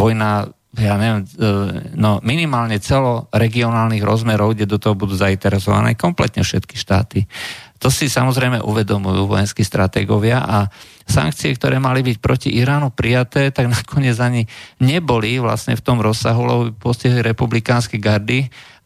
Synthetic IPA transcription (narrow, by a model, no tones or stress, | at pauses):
ɔjna | jaːɲɛʋɪɛm | nɔminimaːlɲɛt͡sɛlɔɾɛɡiɔnaːlniɣɾɔzmɛɾɔʊɡɟɛd̪ɔt̪ɔɦɔbud̪uːzaint̪ɛɾɛsɔʋa̰nɛ̰ːkɔmplɛt̪ɲɛfʃɛt̪kiʃt̪a̰ːt̪it̪ɔsisamɔzɾɛjmɛ̰ʔuʋɛd̪ɔmujuːʋɔ̰jɛnskist̪ɾat̪ɛ̰ːɡɔʋɪaʔa | sa̰ŋk̚t͡siɛkt̪ɔɾɛːmalibic̚pɾɔciʔiɾaːnupɾijat̪ɛːt̪aɡnakʰɔɲɪɛd͡zaɲiɲɛbɔliʋla̰sɲɛ̰ft̪ɔmɾɔsːaɦulɛ̰bɔbipɔsciɦliɾɛpublikaːnskɛɡaɾd̪i